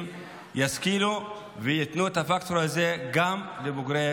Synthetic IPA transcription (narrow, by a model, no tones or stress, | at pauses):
jaskilo | vijet̪nut̪afakt̪ɾazeɡamlebuɡɾe